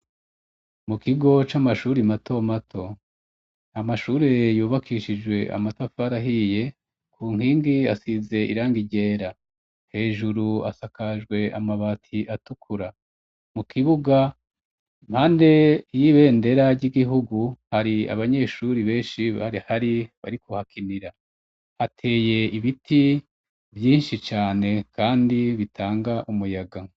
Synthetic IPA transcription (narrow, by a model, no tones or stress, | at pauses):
mukiɡo̞t͡ʃamaʃuːɾimatʰo̞matʰo̞ | amaʃuːɾe̞juːβakʰiʃid͡ʒwe̞ʔa̰matafaɾaɦije̞ | kʰuːŋhiːŋɡiasize̞ʔḭɾaːŋɡiɟe̞ːɾa | he̞ːʒuɾua̰sakaʒɡwe̞amaβatʰiʔatukʰuɾa | mukʰiβuɡa | mhaːnde̞jiβe̞ːnde̞ɾaɟiɡiɦuɡuhaɾia̰βaɲe̞ʃuɾiβe̞ːʃiβa̰ɾihaɾiβa̰ɾikuhakʰiniɾa | atʰe̞ːje̞iβitʰi | vjiːnʃit͡ʃaːne̞kaːndiβitʰaːŋɡaʔumujaɡa